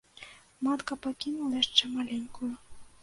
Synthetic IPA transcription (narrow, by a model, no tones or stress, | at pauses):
mat̪kɐpakʲinulˠɐjaʂt͡ʂɛmalʲenʲkujʊ